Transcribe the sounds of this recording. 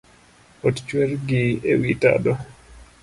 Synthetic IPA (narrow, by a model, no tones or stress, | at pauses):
ott͡ʃwɛrɡiewita̰dɔ